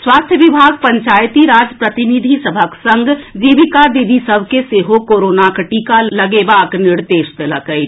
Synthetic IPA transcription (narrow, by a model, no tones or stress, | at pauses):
swast̪ʰjəʋibʱaɡ̚pəɲt͡ʃajt̪iɾad͡ʒpɾət̪inid̪ʱisəbʱəksə̃ŋɡd͡ʒibikad̪id̪ʱisəbʱkeseɦokoɾonakʈikaləɡebakniɾd̪eʃd̪eləkəjt͡ʃ